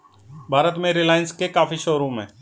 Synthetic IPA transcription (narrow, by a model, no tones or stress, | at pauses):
bʱaːɾət̪mẽɾɪlaːjənskekaːfiʃoːɾõmḛ̃ː